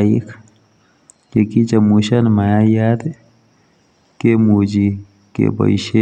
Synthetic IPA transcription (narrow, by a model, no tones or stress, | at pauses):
ikʰ | kekit͡ʃəmuʃənmajajad̪ | kemud͡ʒi | kḛbə̰iʃe